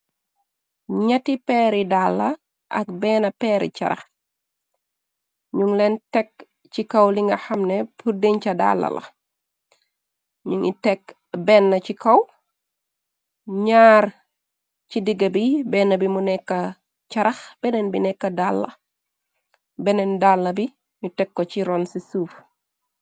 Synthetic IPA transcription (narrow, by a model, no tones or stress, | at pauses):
ɲɐtipɛːɾidalːɐ | ʔɐk̚bɛːnɐpɛːɾḭcɐ̰ɾɐ̰x | ɲuŋlɛntɛk̚ | cikɐwliŋɡɐxɐmnɛpudiɲcɐda̰lːɐ̰lɐ̰ | ɲuŋḭtɛk̚ | bɛːnːɐcikɐw | ɲaːr | cidiɡɐbibɛːnːɐbimunɛkːɐ | ct͡ʃɐɾɐxb̥ɛnɛnbinɛkːɐdalːɐ̰ | bɛnɛndalːɐbi | ɲutɛkːɔt͡ʃiɾɔnsisuːf